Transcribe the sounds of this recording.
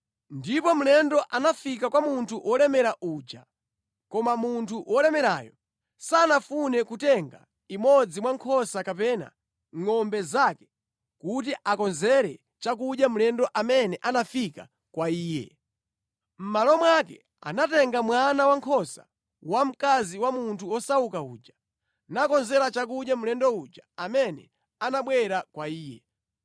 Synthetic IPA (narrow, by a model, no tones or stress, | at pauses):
ndipɔm̩lɛndɔʔanafikakwamuntʰuʔɔlɛmɛɾaʔuːd͡ʒa | kɔmamuntʰuwʔɔlɛmɛɾaːjɔ̰ | sanafunɛkutɛŋɡa̰ | imɔd͡zimwaŋkʰɔsakapɛna̰ | ŋɔmbɛzakɛ̥ | kut̬iʔakɔnzɛɾɛ | t͡ʃak̬uɗjam̩lɛndɔʔamɛnɛʔanafika̰ | kwaiːjɛ̰ | m̩malɔmwakɛ | a̰natɛŋɡamwanawaŋkʰɔsa̰ | wam̩kaziwamuntʰuɔsaukaṵːd͡ʒḁ | nakɔnzɛɾat͡ʃakuɗjam̩lɛndɔud͡ʒaamɛnɛ̰ | anaɓwɛɾakwaiːjɛ